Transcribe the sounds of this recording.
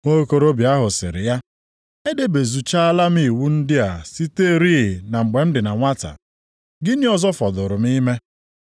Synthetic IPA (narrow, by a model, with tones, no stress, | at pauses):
ŋo˦ko˦ɾo˦bja˦ɦʊ˨sɪ̰˨ɾɪ̰˨ja˦ | e˦de˦be˨zu˨t͡ʃa˦a˦la˦mi˦˨wu˦n̩˦dɪ˦a˨si˦te˦ɾi˦˨na˨ŋ͡m̩˨ɡ͡be˨m̩˦dɪ˨na˨ŋʷa˦ta̰˨ | ɡɪ˦nɪ˦ɔ˦zɔ˦fɔ˨dʊ˨ɾʊ˨m˦i˦me˦